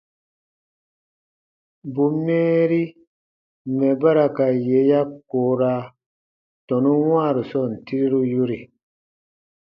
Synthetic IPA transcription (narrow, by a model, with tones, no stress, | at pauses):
bu˨mːeː˦ɾi˦ | mɛ˨ba˦ɾa˨ka˨je˨˦ja˦koː˨˦ɾa˦ | tɔ̃˨nu˦wãː˦˨ɾu˨sɔ˦˨n̩˨ti˦ɾi˦ɾu˦ju˦ɾi˨